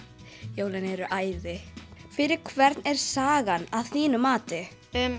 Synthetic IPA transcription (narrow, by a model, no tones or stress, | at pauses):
joːwlɪnɛɾʏʔaːjðɪfɪɾɪɾ̥kʰvɛɾt̪nɛɾ̥saːɣanaðθiːnʏmːaːt̪ɪ | m